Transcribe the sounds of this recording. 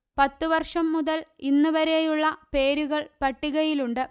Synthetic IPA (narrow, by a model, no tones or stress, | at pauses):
pɐt̪ːɨʋɐrʂɐmːuðɐlinːuʋɐɾejuɭːɐpe̞ːɾuɣɐɭpɐʈːiɣɐjiluɳɖɨ